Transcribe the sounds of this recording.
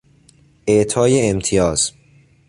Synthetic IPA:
ʔeʔt̪ʰɒːjeːmt̪ʰijɒːz̥

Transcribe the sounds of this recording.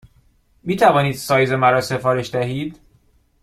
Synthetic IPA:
miːt̪ʰævɒːniːd̪sɒːjzemæɾɒːse̞fɒːɾe̞ʃd̪æɦiːd̪

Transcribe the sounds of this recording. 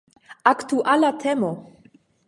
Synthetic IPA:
akt̪uʔalat̪ʰɛmo

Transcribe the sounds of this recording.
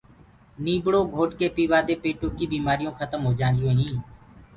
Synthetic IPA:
niːbɽoːɡʱoːʈkeːpiːʋaːd̪eːpeːʈoːkiːbiːmaːɾijõːxʰət̪əmɦoːd͡ʒãːnd̪ɪjõːɦĩː

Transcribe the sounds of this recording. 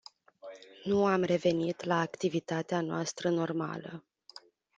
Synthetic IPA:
nuamre̞ve̞nit̪laːkt̪ivit̪at̪eanoast̪ɾəno̞rma̰lə

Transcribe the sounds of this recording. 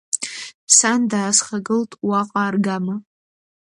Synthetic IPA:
sandaːsχaɡɨltʼwaqʼaːrɡama

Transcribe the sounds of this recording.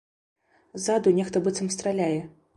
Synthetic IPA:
zad̪unʲɛxt̪ɐbɨt̪sɐmst̪ɾalʲajɛ

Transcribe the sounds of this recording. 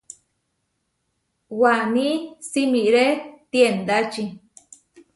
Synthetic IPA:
wanĩsimĩʔɾet̪jend̪at͡ʃi

